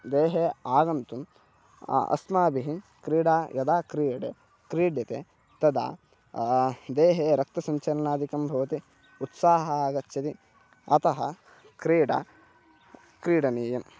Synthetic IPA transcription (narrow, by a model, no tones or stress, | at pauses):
d̪eːɦeːaːɡɐnt̪um̰ | ɐ̰smaːbiɦi | kɾiːɽaːjɐd̪aːkɾiːɐɽḛ | kɾiːɖjɐt̪ḛ | t̪ɐd̪a̰ː | d̪eːɦeːɾɐk̚t̪ɐsɐɲt͡ʃɐɾɐnaːd̪ʱikɐmbʱɐʋɐt̪i | ut̪saːɦɐaːɡɐt̪ːt͡ʃɐt̪i | ɐ̰t̪ɐɦɐ̰ | kɾiːɽa̰ː | kɾiːɽɐniːjɐm